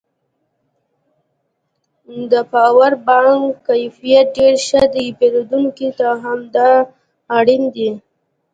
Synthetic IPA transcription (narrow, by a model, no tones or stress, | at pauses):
d̪əpɑwaɾbɑŋkkajfijat̪̚ɖeɾʃəd̪əjipeɾod̪uŋkit̪aɦamd̪ɑː | ɽind̪i